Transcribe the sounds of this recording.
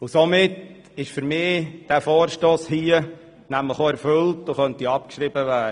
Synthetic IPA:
ʊsomɪt | ɪʃfyɾmɪːd̥æːfɔːɾʃtoːshiə | næmləχoɛɾfʏltoχœntiɑp̚kʃɾɪbəvæːə

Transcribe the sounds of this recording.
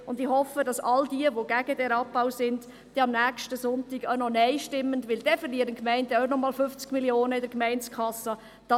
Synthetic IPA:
ʊndɪhɔfədɑsɑldiəʋoɡ̥æɡ̥ədɛɾɑp̚b̥awsɪnd | d̥ɛɑmnæːkʃtəsʊntiɡanɔnɛɪʃtɪmːəndʋɪld̥ɛfəɾliəɾənkmɛɪndɛœnɔmɑːlfʏft͡skmiljoːnəɪdəɾkmɛɪnt͡skʰɑsə | d̥ɑ

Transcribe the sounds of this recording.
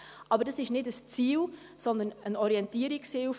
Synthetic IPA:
ʔɑbərdəsɪʃnɪtəst͡siːl | z̥ɔnd̪ənənɔɾjɛntɪːɾɪksiw

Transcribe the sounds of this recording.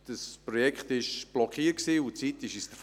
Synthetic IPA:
d̥əspɾɔjɛkχt̪ɪʃb̥lɔkχiːət̚ksiːʊt͡siːtɪʃisd̥̪əf

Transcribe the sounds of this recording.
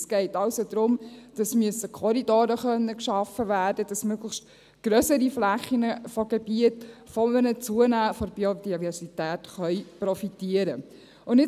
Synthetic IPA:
sɡ̥ɛɪtɑʊsod̪̥ɾʊmd̥ɑsmyəsəkʰɔɾidoːɾəχœnːəkʃɑfəʋæːɾd̥əd̥ɑsmøɡləχʃt | ɡ̥ɾœsəɾiflæχinəfɔɡ̥eb̥iətfɔmənət͡suənæːfɔɾbiod̥ivɛɾsitæːtχœʏjprɔfitiəɾə | ʊndɪ

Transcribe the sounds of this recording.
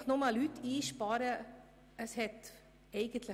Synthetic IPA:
χnɔmɑlytːiːʃpɑːɾə | əshɛt | ɛɪɡ̥ənt̪lə

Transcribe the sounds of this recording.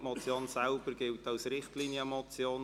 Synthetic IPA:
mɔt͡sjoːnsɛlb̥əɾɡɪltɑwsɾɪχtliːnjəmɔt͡sjoːn

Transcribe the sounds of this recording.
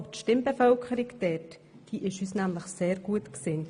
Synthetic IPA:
ptʃtɪmbefœlkχəɾɪkd̥ɛt | d̥iːʔɪʃhysnæmləχseːɾɡ̥uətkseːn

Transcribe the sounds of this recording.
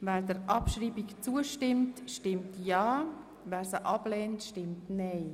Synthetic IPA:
vɛːɾdəɾʔɑpʃɾiːbikt͡suəʃtɪmtʃtɪmtjɑː | vɛːɾsəʔɑblɛːntʃtɪmtnɛɪ

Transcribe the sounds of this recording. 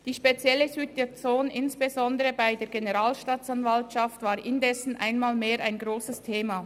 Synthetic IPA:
d̥iːʃpet͡sjɛləzyːt̚det͡soːnɪnsb̥ezɔndəʁəbaɪdeːɐɡenəʁaːlʃtaːt͡sanvaltʃaftv̥aːɾʔɪndɛsn̩ʔa̰ɪnmaːlmeːɾaɪnɡʁoːsəstʰeːma

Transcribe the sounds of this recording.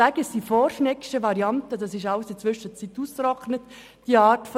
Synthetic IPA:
æːɡəsd̥ifɔɾʃnɛkʃəʋɑɾiɑntədɑsɪʃɑləsit͡sʋʏʃət͡situːskɾɔχnət | d̥iɑːɾtf

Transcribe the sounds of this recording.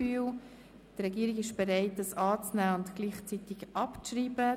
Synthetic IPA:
yːw | d̥əɾɛɡiːɾiɡɪʃb̥eɾɛɪt̚ːəsɑːt͡snæːʊntɡ̥liːχt͡sit̪ɪɡʔɑpt͡sriːbə

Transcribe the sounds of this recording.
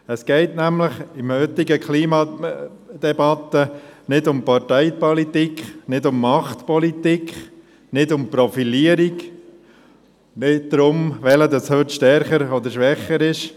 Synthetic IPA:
əskɛɪtnæmləχɪmhʏt̪ːɪɡəkχliːmɑ | d̪̥ɛbɑt̪ənɪdʊmpɑrtɛɪpɔlit̪ikχnɪdʊmːɑχt̪pɔlit̪ikχ | nɪdʊmpɾɔfiliəɾik | nɪt̚d̪ɾʊmʋɛləd̪ɑshøtʃtɛɾχəɾɔd̪əɾʃʋɛχəɾɪʃ

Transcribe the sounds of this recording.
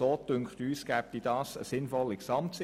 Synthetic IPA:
oːtʏŋkχtyːskæːp̚tiːdɑːsəsɪnfɔlːiksɑmtsɪ

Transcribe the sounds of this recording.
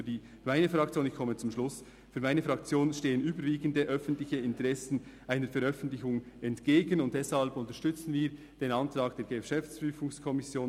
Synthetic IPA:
ydiː | maɪnəfʁɑktt͡sjoːnɪçkʰɔmət͡sʊmʃlʊs | fyːɐmaɪnəfʁɑk̚t͡sjoːnʃteːənyːbəɾviːɡən̩dəʔœfn̩tlɪçəɪntəʁɛsn̩ʔaɪnəɾfɛɾœfən̩tlɪçʊŋɛntɡ̥eːɡənʊnt̚dɛshalpʊntəʃtʏt͡sn̩viːɾ | d̥eːnɑntɾɑːk̚d̥eːɾɡ̥əfʃɛft͡spʁyːfʊŋskʰɔmɪsjoːn

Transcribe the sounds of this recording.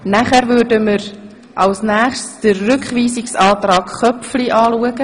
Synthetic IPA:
næχæɾvʏɾdəməɾ | ʔɑwsnæːχʃtsd̥ərːʏkχʋiːsɪksɑːtrɑːkχœpfliʔɑːluəɡə

